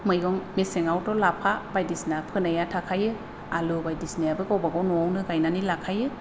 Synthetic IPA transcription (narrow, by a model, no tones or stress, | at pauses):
mɯjɡɔŋmeseŋawtɔlapʰabajdisnapʰɯnajatʰakʰajɯ | alubajdisnijabɯɡawbaɡɔnɔawnɯɡajnanilakʰajɯ